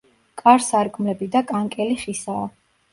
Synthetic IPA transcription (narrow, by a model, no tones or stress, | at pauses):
kʼaɾsaɾɡʼmlɛbid̪akʼaŋkʼɛliχisaː